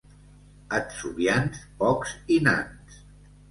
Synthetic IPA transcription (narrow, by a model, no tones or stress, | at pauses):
ətsuβjanspɔksina̰ns